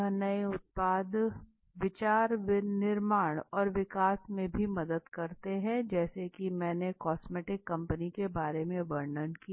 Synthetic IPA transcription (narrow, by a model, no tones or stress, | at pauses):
nɐiʊt̪̚paːd̪ | ʋɪt͡ʃaːɾʋɪnɪɾmaːɽ̃ɔːɾʋɪkaːsmẽbʱimɐd̪əd̪kɐɾt̪eɦɛ̃d͡ʒɛːsekimɛ̃ːnekɔːsmeːʈɪkːɐ̃mpənikebaːɾemẽʋəɾɳənki